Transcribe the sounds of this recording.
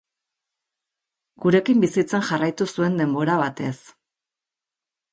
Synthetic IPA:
ɡ̥uɾe̞kimbisit͡senʝarajt̪usue̞nd̪e̞mbo̞ɾaβ̞at̪e̞s

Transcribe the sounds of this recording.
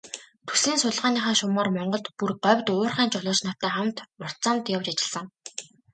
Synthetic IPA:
t̪ʰu̥siːnsʊɮʁaːniːχaːʃʊmaːrmɔɴɢɞ̆ɮt̪purɢœwʲt̪ʊːrχæːnt͡ɕɔɮʊːt͡ɕnɔ̥t̪æːχam̥t̪mʊr̥t̪t͡saːmt̪jawt͡ɕat͡ɕɪ̆ɮsə̆ŋ

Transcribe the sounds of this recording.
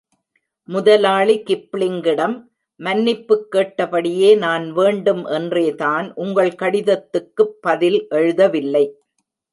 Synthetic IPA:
mʊðɐlaːɭikɪpːlɪŋɡɪɽɐmː | ɐnːɪpːɯkːeːʈːɐpɐɽɪjeːnaːnʋeːɳɖɯmʔɛndreːtaːnʔʊŋɡɐɭkɐɽɪðɐt̪ːɯkːɯpːɐðɪlʔɛɻɯðɐʋɪlːɐɪ

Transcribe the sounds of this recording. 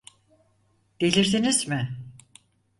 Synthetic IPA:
d̪̥elʲiɾsinizmɪ

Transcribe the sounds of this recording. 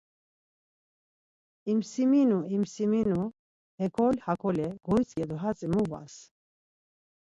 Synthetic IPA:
imsiminuimsiminu | hɛkʰɔlʲhakʰɔlɛɡ̥ɔjt͡sʼkɛd̪ɔɦat͡sʼɛmuva̰s

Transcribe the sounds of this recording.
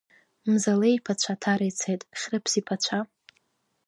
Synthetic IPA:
mzalejpʰat͡ɕʷʰatʰaɾejt͡sʰejtʼχʲrɨpʰsipʰat͡ɕʷʰa

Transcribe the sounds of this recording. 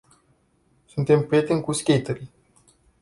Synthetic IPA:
sunt̪e̞mpɾije̞t̪e̞nʲkuskʲejt̪əɾi

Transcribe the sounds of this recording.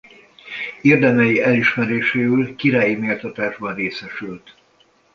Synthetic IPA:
ird̪ɛmɛjiɛliʃmɛɾeːʃeːylkiɾaːjimeːlt̪ɒt̪aːʒbɒnreːsɛʃylt̪

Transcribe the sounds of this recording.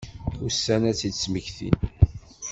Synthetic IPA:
ʊsːænæt͡sːi̥sməçθḭn

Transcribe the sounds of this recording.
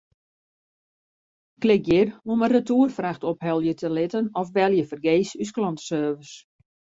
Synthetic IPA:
klɪk̚jɪroməratuːərfraxtɔphɛlˠjətʰəlɪtənɔfʋɛlˠjəfərɡeːsys̬klɔntə̥søːvəs

